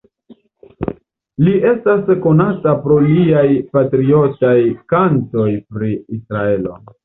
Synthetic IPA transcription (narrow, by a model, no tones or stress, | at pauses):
liʔe̞stasko̞natapɾo̞liajpatɾio̞tajkanto̞jpɾiisɾae̞lo̞̰